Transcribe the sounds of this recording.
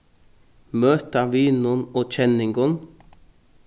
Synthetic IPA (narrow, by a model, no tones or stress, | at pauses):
møːt̪ɑʋiːnʊnoːt͡ʃʰɛnɪŋɡɔn